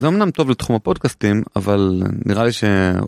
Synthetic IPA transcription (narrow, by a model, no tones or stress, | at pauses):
zeomnamt̪o̞vlet̪χumapo̞d̚kastima̰valniʁaliʃe